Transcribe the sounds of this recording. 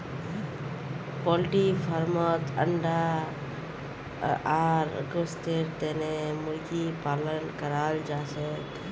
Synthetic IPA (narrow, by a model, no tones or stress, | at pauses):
pɔlʈifʰaɾmɔt̪ə̰ɳɖa | aːɾɡost̪eɾt̪ɛːnemʊɾkipaːlənkəɾaːld͡ʒaːset̪